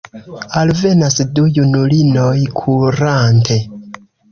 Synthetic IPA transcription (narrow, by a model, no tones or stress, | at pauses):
alve̞nasdujunulino̞jkʰuɾantʰe̞